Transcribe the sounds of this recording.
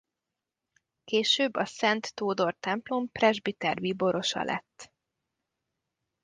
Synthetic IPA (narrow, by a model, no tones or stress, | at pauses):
keːʃøːbːɒsɛnt̪ːoːd̪o̞rt̪ɛmplo̞mprɛʒbit̪ɛrvibo̞ɾo̞ʃɒ̰lʔɛ̰t̪ː